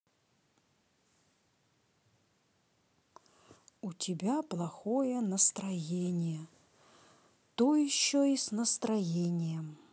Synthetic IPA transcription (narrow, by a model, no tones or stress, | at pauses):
ʊtʲɪbʲaplˠɐxojənəst̪ɾɐjenʲɪjə | t̪ojɪɕːoisnəst̪ɾɐjenʲɪjəm